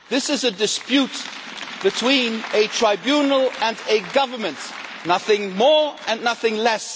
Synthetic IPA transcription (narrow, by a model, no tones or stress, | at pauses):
ðɪsɨzɨdɨspjʉt̚ | b̥ɨtʰw̥ĩnɨtʰɹ̥aɪbjunl̩ˠɨ̃nɨɡʌvə˞mɨ̃ntnʌθɪ̃ŋmɔɹɨ̃nːʌθɪ̃ŋlɛs